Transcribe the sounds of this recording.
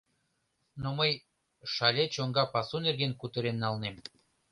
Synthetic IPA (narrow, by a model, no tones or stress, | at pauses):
noməj | ʃɑlʲet͡ɕoŋɡɑpɑsunerɣenkut̪ə̆ɾenːɑlnem